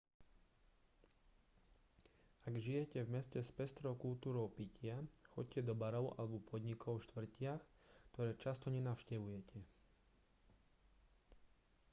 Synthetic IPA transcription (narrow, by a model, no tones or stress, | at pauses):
aɡʒijɛcɛvmɛscɛspɛst̪ɾɔʊkult̪uːɾɔʊpicɪaxɔ̰c̚cɛd̪ɔbaɾɔʊʔa̰lɛbɔpʰɔd̪ɲikʰɔʊʃt̪ʋr̩cɪaxkt̪ɔɾɛːt͡ʃast̪ɔɲɛnaʊʃcɛʋujɛcɛ